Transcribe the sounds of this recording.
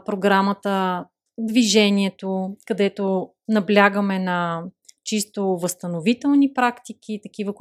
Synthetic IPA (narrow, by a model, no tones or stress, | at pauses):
pɾoɡɾamət̪ə | d̪viʒɛniɛt̪okɐd̪ɛt̪o | nɐblʲaɡəmɛnɐt͡ʃist̪ovəst̪ɐnovit̪ɛlˠnipɾakt̪ik̟ʰʲit̪ɐk̟ivək